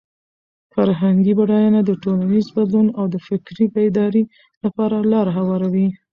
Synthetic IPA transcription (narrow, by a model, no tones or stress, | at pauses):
faɾɦaŋɡibaɽɑjɑnad̪əʈolanizbad̪lunawd̪əfɪkɾipad̪ɑɾi | lapɑɾalɑɾaɦawɑɾawi